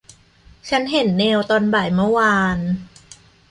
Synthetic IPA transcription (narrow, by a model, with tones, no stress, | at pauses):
t͡ɕʰa˦˥nɦe˨˩˦nːeː˧wt̪ɔː˧nba˨˩jmɤ˦˥˩waː˧n